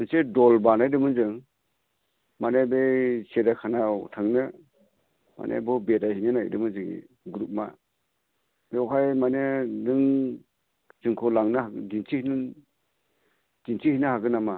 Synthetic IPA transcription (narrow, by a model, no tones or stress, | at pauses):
ɯnsedɔlbanajdɯmɯnzɯŋ | manebesedakʰanatʰaŋnɯ | ma̰nḛbɔbetajɦinɯnajdɯmɯnzɯŋḭ | ɡɾup̚ma | beɦajmanedɯŋ | zɯŋkʰɔlaŋnɯadintʰihnɯ | d̥intʰihinɯhaɡɯnama